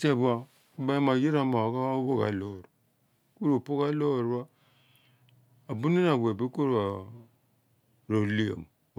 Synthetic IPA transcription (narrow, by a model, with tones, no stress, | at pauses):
se˦˨bu˦a˨˦ | ba˦ma˨ji˦ɾa˦ma˨wka˦bo˦ka̰˨lo˨ɾ | ku˦ɾo˨po˦ka˦lo˦˨ɾwa˦ | a˨bu˦ni˦n˦a˨bʷe˨bi˦ku˦ɾa˨ | ɾo˨li˦o̰˨m˨